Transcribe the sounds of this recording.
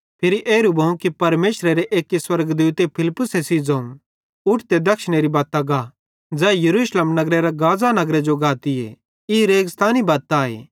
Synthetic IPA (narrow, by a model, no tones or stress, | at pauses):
pʰɪɾiʔeːɾubʱɐũkipɐɾmeːʃɾeɾeʔeːkiswɐɾɡd̪uːt̪epʰɪlɪpːʊsesid͡zɐːũ | ʊʈʰt̪ed̪ɐkʃɽ̃eɾibaːt̪aɡa | d͡zɛːjɐɾuːʃleːmnɐɡɾeɾaɡaːd͡zanɐɡɾed͡ʒoɡʱaːt̪iḛ | iɾeːɡst̪ʰaːnibaːt̪aːḛː